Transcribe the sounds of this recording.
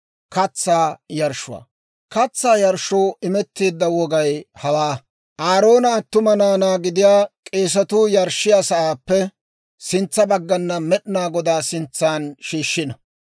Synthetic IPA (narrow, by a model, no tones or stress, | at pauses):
kɐt͡sːaːjɐɾʃʊa̰ː | kɐt͡sːaːjɐɾʃoːʔɪmɛt̪ːiːd̪ːɐwɔɡɐjhɐwaː | ʔaːɾo̞ːnɐːt̪ːʊmɐnaːnaːɡɪd̪ɪjaːkʼeːs̬ɐt̪uːjɐɾʃɪjaːsɐʔaːpːɛ | sɪnt͡sːɐbɐɡːɐnːɐmɛɗɪnaːɡɔd̪aːsɪnt͡sːaːnʃiːʃːɪnɐ